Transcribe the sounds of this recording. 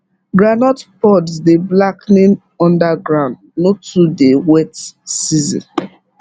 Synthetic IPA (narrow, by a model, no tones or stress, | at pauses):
ɡɹanɔtpɔdsdeblaknĩn | ɔ̃ndaɡɹãʊ̃nd | notudewɛtsizḭ̃